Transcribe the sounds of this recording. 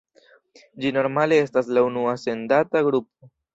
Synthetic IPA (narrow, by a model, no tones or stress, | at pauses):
d͡ʒino̞ɾmale̞e̞staslaunuase̞ndataɡɾup̚o̞